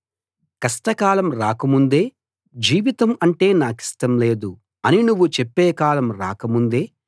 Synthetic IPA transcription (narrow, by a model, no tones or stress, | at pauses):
kɐsʈɐkaːlɐmɾaːkɐmund̪e̞ː | d͡ʒiːʋit̪ɐmɐɳʈe̞ːnaːki̥sʈɐmle̞ːd̪u | ɐninuʋːut͡ʃepːeːkaːlɐmɾa̰ːkɐmund̪e̞ː